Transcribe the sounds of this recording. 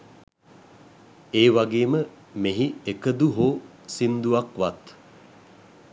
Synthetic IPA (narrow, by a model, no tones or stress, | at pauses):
eːʋaɡeːmə | meɦiekəd̪uɦoː | sind̪uʋakʋat̪